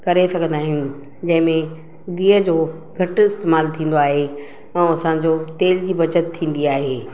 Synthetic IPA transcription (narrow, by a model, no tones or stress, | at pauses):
kɐɾesɐɡʱə̃nd̪aːɦɪnɪ | d͡ʑɐ̃ɦɪ̃mẽ | ɡiːəd͡ʑoː | ɡʱɐʈ̆ɪst̪eːmaːlt̪ʰĩːn̆d̪oaːɦe | ɛ̃ɐsãd͡ʑoːt̪eːld͡ʑiːbɐt͡ɕət̪ʰːĩːn̆d̪iaːɦeː